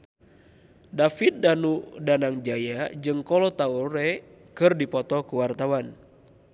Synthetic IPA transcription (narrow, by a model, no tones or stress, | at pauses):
dafit̪̚danudanaŋd͡ʒajad͡ʒɨŋkɔlɔt̪auɾɛ | kɨrdipɔt̪ɔkuwart̪awan